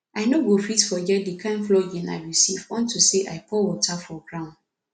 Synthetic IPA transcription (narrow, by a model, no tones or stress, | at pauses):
aɪnoɡofitfɔɡɛt̚dikʰãɪ̃nflɔɡĩna̰ɪɹisivɔ̃ntʰuseʔaɪpʰɔwɔtʰafɔɡɹãʊ̃nd